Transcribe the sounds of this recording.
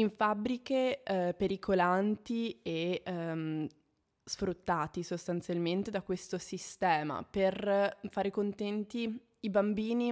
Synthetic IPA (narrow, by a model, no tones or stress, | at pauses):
iɱfabɾikepeɾikʰolant̪ie | sfɾut̪ːaːt̪isost̪ant̪sjalment̪ed̪akwest̪osist̪ɛːma̰perfaːɾekont̪ɛnt̪i | ibambiːni